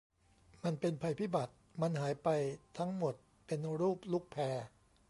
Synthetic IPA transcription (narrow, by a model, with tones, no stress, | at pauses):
ma˧npe˧npʰa˧jpʰiː˦˥˩ba˨˩t̪̚ma˧nhaː˩˦jpa˧jt̪ʰa˦˥ŋmo˨˩t̪̚ | pe˧nɾuː˥˩p̚lu˦˥k̚pʰɛː˧